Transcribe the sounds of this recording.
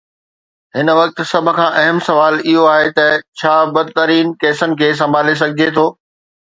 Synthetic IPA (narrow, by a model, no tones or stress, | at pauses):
ɦɪn̆ʋɐk̚t̪̆sɐbʱʊ̆kʰãːʔɐɦəmsɐʋaːlɪɦoaːɦet̪ɐt͡ɕʰaːbɐd̪̚t̪ɐɾiːnkɛːsənɪ̆kʰeːs̬ɐ̃mbʱaːles̬ɐɡʱɪd͡ʑʱet̪ʰoː